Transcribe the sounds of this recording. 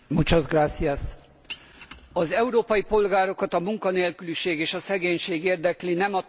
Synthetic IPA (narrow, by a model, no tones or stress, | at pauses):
mut͡ʃɒzɡraːt̪sias | ɒzɛuɾoːpɒjipo̞lɡaːɾo̞kɒt̪ɒmuŋkɒneːlkyliʃeːɡeːʃɒsɛɡeːɲʃeːɡeːrd̪ɛklinɛmɒ